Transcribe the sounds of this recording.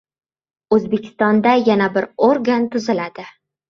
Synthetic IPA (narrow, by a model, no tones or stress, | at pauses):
ɵzbekʲʰɪ̥st̪ɒnd̪ajanabɪɾoɾɡant̪ʰʊzɪlad̪ɪ